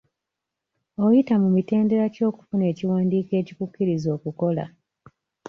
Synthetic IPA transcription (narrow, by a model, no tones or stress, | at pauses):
o̞jitamumite̞ːnde̞ɾaco̞ːku̥fune̞ːciwaːndiːke̞ːcikukːiɾizo̞ːkuko̞la̰